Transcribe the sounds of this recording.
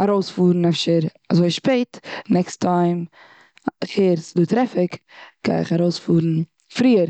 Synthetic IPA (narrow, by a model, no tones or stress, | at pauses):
aɾoʊsfuːɾn̩ɛfʃəɾ | azoɪʃpeɪtnɛkstʰaɪm | χeɾsduːtɾɛfɪkɡ̥a̰ɪɪχaɾoʊsfuːɾn̩ | fɾiːəɾ